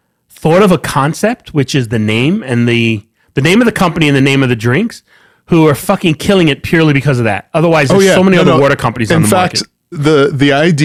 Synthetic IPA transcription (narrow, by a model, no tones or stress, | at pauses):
θɔɾʌvəkʰɑ̃nsɛp̚t̚wɨt͡ʃɨzðɨnẽɪ̃mɨ̃nðɨ | ðɨnẽɪ̃mʌvðɨkʰʌ̃mpəniɨ̃nðɨnẽɪ̃mʌvðɨdɹɪ̃ŋks | huə˞fʌkɪ̃ŋkʰɪlˠɪ̃ŋɨt̚pʰj̥ʊɹlˠibɨkʰʌzʌvðæ̰t̚ʌðə˞waɪzðəjæsoʊmɛniʌðəwɔɹɾə˞kʰʌ̃mpɨniz̃n̩ðəmækkɨ | ðɨðiaɪdi